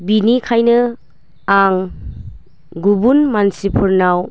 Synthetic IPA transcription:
binikʰajnɯ | aŋ | ɡubunmansipʰɯɾnaw

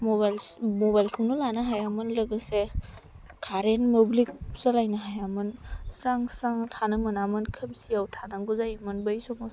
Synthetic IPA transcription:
mɔbalmɔbajlkʰɯwnulanaɦajamɯnlɯɡɯse | kʰaɾenmɯblik̚səlajnaɦajamɯnsaŋsaŋtʰanɯmɯnamɯnkʰɯmsiawtʰanaŋɡuzajɯmɯnbɯjsɔmɔs

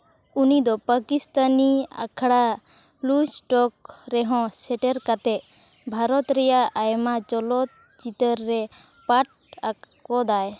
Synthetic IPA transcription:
unid̪ɔpakist̪ania̰kʰɽa | blusʈɔk̚ɾɛɦɔ̃sɛʈɛɾkat̪ɛ | bʱaɾɔt̪ɾɛjaʔajmat͡ʃɔlɔt̪̚ | t͡ʃit̪əɾːɛ | paʈ̚a | kɔd̪aj

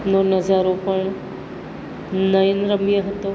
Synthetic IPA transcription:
noːnɐzaːɾõpəɳ | nɐjənɾəmbijəɦɐt̪oː

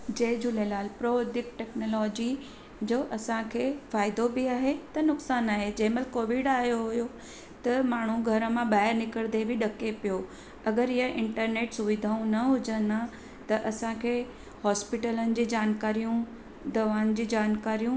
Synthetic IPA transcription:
d͡ʑeːd͡ʑʱʊlelaːlpɾoːd̪ɪk̚ʈɛːknoːlɔːd͡ʑi | d͡ʑoːʔɐsãkʰeːfaːɪd̪obɪaːɦet̪ɐnʊksaːnaːɦed͡ʑɐɦməlkoːʋɪɖaːɦjoɦʊjo | t̪ɐmaːɳ̤ũɡʱɐɾə̆mãɓaːɦɪɾnɪkəɽd̪ebʱɪɗɐkepijo | ɐɡəɾɪɦəʔɪ̃ɳʈəɾneːʈsʊʋɪd̪ʱaːũnɐɦʊd͡ʑəna | t̪ɐʔɐsãkʰeː | hɔːspɪʈələnɪ̆d͡ʑiːd͡ʑaːnkaːɾijũ | d̪ɐʋaːn̆d͡ʑiːd͡ʑaːnkaːɾijũ

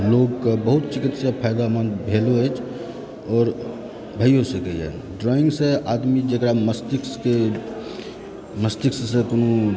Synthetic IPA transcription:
loːɡkabəɦʊt̪̚t͡ʃɪkit̪sepʰajd̪amanbʱeloɛt͡ʃʰ | ɔːɾ | bʱəijosekəɛ̰ | ɖɾɔːɪ̃ŋɡseaːd̪mid͡ʒekɾaməst̪ɪkske | məst̪ɪkssekono

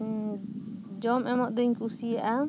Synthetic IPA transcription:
d͡ʒɔmʔɛmɔʔd̪əɲkusiaʔa

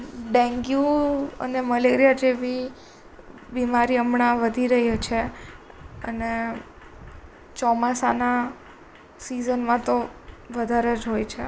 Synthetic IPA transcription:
ɖɛ̃ŋɡjuə̰neməleɾijad͡ʒeʋi | bimaɾiəmɳaʋəd̪ʱiɾəɦjet͡ʃʰe | ə̰ne | t͡ʃɔmasana | sizənmãt̪oʋəd̪ʱaɾed͡ʒɦojt͡ʃʰe

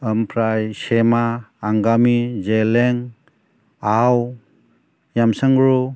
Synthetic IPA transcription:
əmpʰɾajsemaːŋɡamid͡ʒeleŋ | aw | jamsəŋɾu

